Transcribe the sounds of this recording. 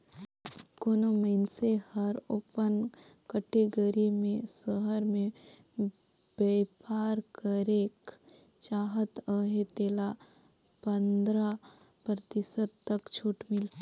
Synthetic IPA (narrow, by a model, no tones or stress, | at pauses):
koːnoməɪnsehəɾoːpənkəʈeɡəɾimẽsəɦəɾmẽ | beːpaːɾkəɾeːk | t͡ʃaːɦət̪əɦet̪eːla | pə̃nd̪ɾa | pɾət̪ɪsət̪t̪ːəkt͡ʃʰuːʈmɪlt̪ː